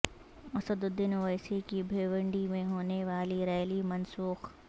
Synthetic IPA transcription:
ɐsəd̪ʊd̪ːɪnʋɐjsikibʱeːʋə̃ɳɖimẽɦoːneʋaːliɾɛːlimɐnsuːx

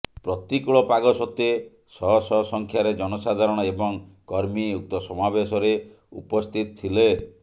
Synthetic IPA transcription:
pɾɔt̪ikuɭɔpaɡɔsɔt̪e | sɔɦɔsɔsɔŋkʰjaɾed͡ʒɔnɔsad̪ʱaɾɔɽ̃ɔebɔŋkɔɾmiuk̚t̪ɔsɔmabesɔɾe | ṵpɔst̪ʰit̪ɔt̪ʰile

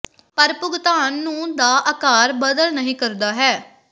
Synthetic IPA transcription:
pəɾpʊɡt̪aːnːũːd̪aːʔəkaːɾbəd̪əlnəɦĩːkəɾd̪aːɦɛː

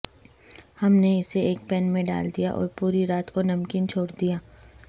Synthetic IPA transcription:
hɐmneɪseeːk̚pɛnmẽɖa̰ːld̪ijaʔɔ̰ːɾpuːɾiɾaːt̪konɐmkiːnt͡ʃʰoːɽd̪ijaː

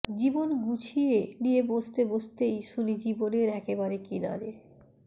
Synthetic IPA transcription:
d͡ʑibonɡut͡ɕʰieniebost̪ebost̪ejʃulid͡ʑiboneɾɛkeβaɾekina̰ɾe

